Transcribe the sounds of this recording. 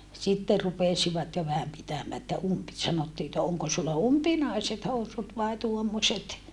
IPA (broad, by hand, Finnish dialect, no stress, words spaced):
sitːe rupesiʋɑt jo ʋæhæm pitæmæː etːæ umpi sɑnotːiː etːæ oŋko sulːɑ umpinɑiset housut ʋɑi tuomːosʲet